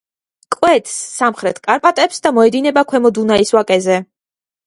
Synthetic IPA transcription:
kʼwɛt̪ʰsːamχɾɛt̪ʰkʼaɾpʼat̪ʼɛpsd̪amɔɛd̪inɛbakʰwɛmɔd̪unaiswakʼɛzɛ

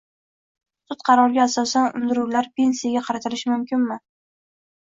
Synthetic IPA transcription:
sʊt̪qʰɑɾɒɾɡʲaːsɒsanʊ̰nd̪ɪɾuwlaɾpʰe̞nsijaɡʲaqʰɑɾat̪ʰɪlɪʃɪmʊmkʲʰɪnmɪ

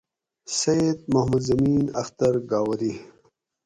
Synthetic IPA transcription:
seed̪̚mahmud̪zɐmiːnɐxt̪ɐɾɡaːwɐɾi

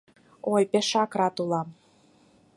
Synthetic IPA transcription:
ojpeʃɑkrɑt̪ulˠɑm

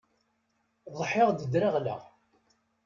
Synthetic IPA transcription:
ðˤħɪʁd̪əd̪ɾəʁlə̰ʁ

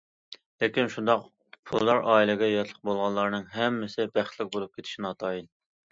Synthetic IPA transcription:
lekʲinʃund̪ɑq | pʰulˠːɑɾʔɑːilˠɪɡʲɛjɑt̪ʰlˠə̥q̚bolˠʁɑnlˠɑɾnɨŋɦɛmːɪsɪbæχt̪lɪk̚ʲbolˠup̚kʲʰet̪ʰɪ̥ʃinɑt̪ʰɑjin

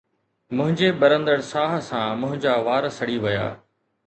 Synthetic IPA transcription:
mʊ̃ɦɪ̃ɲd͡ʑeɓɐɾə̃nd̪əɽsaːɦə̆sãmʊ̃ɦɪ̃ɲd͡ʑaːʋaːɾəsɐɽiʋɐja̰ː

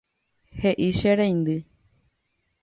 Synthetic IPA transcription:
heʔiʃeɾẽj̃nd̪ɨ

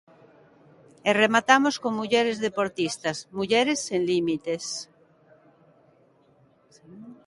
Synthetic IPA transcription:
eremat̪amoskoŋmuʎeɾezðepoɾt̪ist̪azmuʝeɾesːenlimit̪es

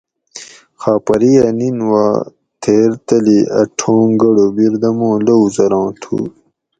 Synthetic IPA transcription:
xaːpɐɾiɐninwaː | t̪ʰeːɾt̪ɐliɐ̰ʈʰõːŋɡɐɽobiɾd̪ɐmõːlouzɐɾɑ̃ːt̪ʰṵː

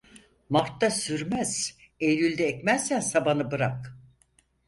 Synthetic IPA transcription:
maɾt̪ːasyɾmɛz̥ | ejlylʲd̪ɛːcmɛzsænsabanɯbɯɾak

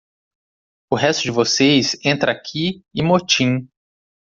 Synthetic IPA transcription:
ʊɦɛst̪ʊd͡ʒɪvosejzẽnt̪ɾʔɐakʲʰiɪmot͡ʃĩ

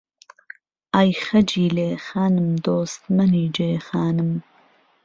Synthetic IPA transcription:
aːjxɐd͡ʒiːleːxaːnɨmd̪oːst̪mɐniːd͡ʒeːxaːnɨm

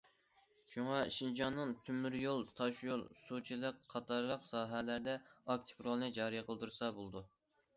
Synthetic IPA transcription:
ʃuŋɑʃind͡ʒʰɑnːɨŋt̪ʰymːyɾjolˠt̪ʰɑʃjolˠsut͡ʃʰilˠɨqkqʰːɑt̪ʰɑɾlˠəqsɑːɦɛlæɾd̪ɛɑk̚t̪ʰɪ̥pɾolˠnɨd͡ʒɑːɾijqʰəlˠd̪uɾɨsɑbolˠd̪u

